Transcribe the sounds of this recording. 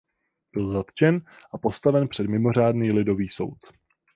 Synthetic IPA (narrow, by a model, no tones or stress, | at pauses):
b̥ɪlzat̪t͡ʃɛn | ʔapo̞st̪avɛnpr̥ɛdmɪmo̞r̝aːdniːlɪdo̞viːso̞̰wt̪